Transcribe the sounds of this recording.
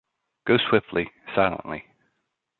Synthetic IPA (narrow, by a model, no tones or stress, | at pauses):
ɡ̥oʊswɪftˡlisaɪlˠə̰̃nʔlḭ